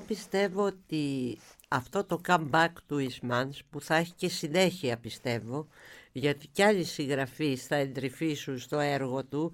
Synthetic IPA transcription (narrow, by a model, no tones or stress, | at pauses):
pist̪e̞vo̞ot̪i | ɐft̪o̞t̪o̞kɐmbɐkt̪uizmɐnspuθɐe̞çi̥ce̞sine̞çiɐpist̪e̞vo̞ʝɐt̪iceɐʎisiŋɣɾɐfisθɐe̞nd̪ɾifisunst̪o̞e̞ɾɣo̞t̪u